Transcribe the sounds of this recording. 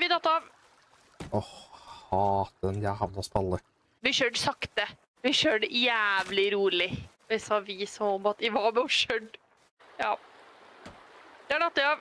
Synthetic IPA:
ʋɪd̪ɑt̪ːəɑʋ | ɔhhɑːt̪ənjæhɑʋnɑspɑlːə | ʋɪʃøːɖsɑkt̪ə | ʋɪʃøːɖjæːʋlɪɾuːɭɪ | ɛsɑʋiːsɔɔmɑt̪ɪʋɑɾmɛɔʃœɖ | jɑ̰ː | d̪ɛæɖɑt̪ːəɑ

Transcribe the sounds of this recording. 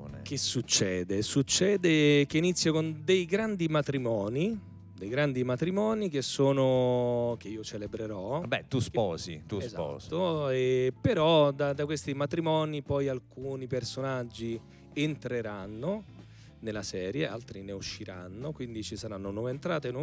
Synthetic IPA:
n̰k̟esut͡ʃːɛːd̪esut͡ʃːɛːd̪ek̟einit̪sːjokond̪ejɡɾand̪imat̪ɾimɔːni | d̪ejɡɾand̪imat̪ɾimɔːnik̟esːoːnok̟eiːot͡ʃelebɾeɾɔbɛ̰t̪uspɔ̰ːzḭt̪uesza̰ɔ̰zoepeɾɔd̪ad̪akwest̪imat̪ɾimɔːnipɔjalkuːnipersonad͡ʒːi | ent̪ɾeɾanːo | nelasɛːɾjealt̪ɾineuʃːiɾa̰nːokwind̪it͡ʃisaɾanːonwɔːveːnt̪ɾaːt̪en

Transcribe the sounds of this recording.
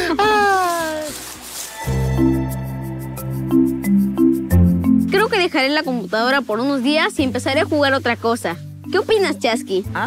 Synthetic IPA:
a | kɾeoke̞ðe̞xaɾelako̞mput̪að̞o̞ɾapo̞ɾunozðiasie̞mpe̞saɾeaxuɣaɾo̞t̪ɾako̞sa | ke̞o̞pinast͡ʃaski

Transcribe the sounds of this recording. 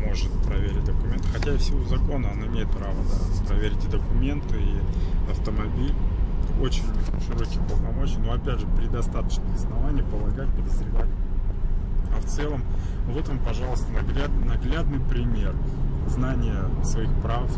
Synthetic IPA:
mo̞ʐɨt̪̚pɾɐvʲeɾʲɪt̚ʲd̪əkʊmʲe̞nt̪ɨxɐtʲæɪfsʲɪvozɐko̞nəɐnaɪmʲejɪt̪̚pɾavəd̪apɾɐvʲeɾʲɪtʲɨd̪əkʊmʲe̞nt̪ɨiɐft̪əmɐbʲilʲo̞t͡ɕɪnʲʂɨɾo̞kʲɪjpləlˠnɐmo̞ɕɪjəno̞ɐpʲædʲʐɨpɾʲɪd̪ɐst̪at̪ə̥t͡ɕnɨjɐsnɐvanʲɪjəpəlˠɐɡat̚ʲpəd̪əzɾʲɪvat̚ʲ | ɐft̪sɛlˠəm | vo̞t̪vəmpɐʐɑlˠəst̪ənɐɡlʲad̪ɨnɐɡlʲad̪nɨjpɾʲɪmʲe̞rznanʲɪjəsvɐixpɾaf

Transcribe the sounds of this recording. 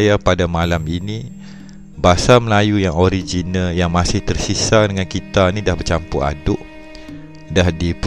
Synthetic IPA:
japadamalaminĩ | basaməlajujaŋoɾid͡ʒinaljaŋmasɪht̪ərsisadəŋankit̪anĩdahbərt͡ʃampʊʔa̰dʊʔ | dahdip

